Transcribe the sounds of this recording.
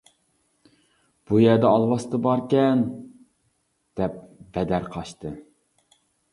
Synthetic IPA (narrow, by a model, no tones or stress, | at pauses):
b̥ujɛɾd̪ɛɑlˠwɑst̪ʰɨbɑɾkʲɛn | d̪̥ɛp̚bɛd̪æɾqʰɑʃt̪ʰɨ